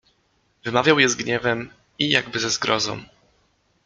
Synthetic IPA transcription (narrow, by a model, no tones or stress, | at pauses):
vɘmavʲjawjɛzɡɲɛvɛm | ijaɡbɘzɛzɡɾɔzɔ̰̃w̃